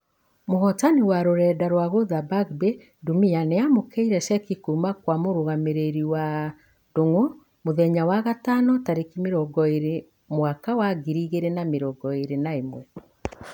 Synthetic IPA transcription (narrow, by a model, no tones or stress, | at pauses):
moɣɔtaniwaɾoɾɛːdaɾwaɣoðabaɡbe | dumianeamokeiɾɛʃɛkikumakwamoɾoɣameɾeɾiwa | doŋo | moðɛɲawaɣatanɔtaɾekimeɾɔɡɔeɾe | mwakawaɡiɾiɣeɾenameɾɔɡɔeɾenaemwɛ